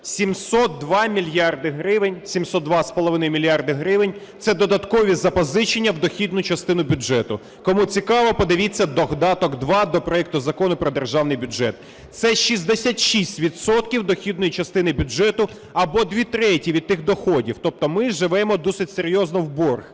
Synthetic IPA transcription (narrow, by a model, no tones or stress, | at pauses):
sʲimsɔt̪̚d̪ʋɑmʲilʲjɑrd̪ɪɦɾɪʋɪnʲsʲimsɔt̪ːʋɑspɔlˠɔʋɪnɔjmʲilʲjɑrd̪ɪɦɾɪʋɪnʲ | t̪sɛd̪ɔd̪ɐt̪kɔʋʲizɐpɔzɪt͡ʃenʲːɐwd̪ɔxʲid̪nʊt͡ʃɐst̪ɪnʊbʲʊʒɛt̪ʊ | kɔmut͡sʲikɑʋɔpɔd̪ɪʋʲit͡sʲːɐd̪ɔɦd̪ɑt̪ɔkd̪ʋɑd̪ɔpɾɔjɛk̚t̪ʊzɐkɔnʊpɾɔd̪erʒɑwnɪjbʲʊʒɛt̪̚ | t̪sɛʃizʲd̪esʲatʲʃisʲtʲʋʲid̪sɔt̪kʲiwd̪ɔxʲid̪̚nɔjit͡ʃɐst̪ɪnɪbʲʊd͡ʒɛt̪ʊ | ɐbɔd̪ʋʲit̪ɾɛtʲiʋʲid̪̚t̪ɪxd̪ɔxɔdʲiwt̪ɔp̚t̪ɔmɪʒɪʋɛmɔd̪ɔsɪtʲseɾʲjɔznɔwbɔrx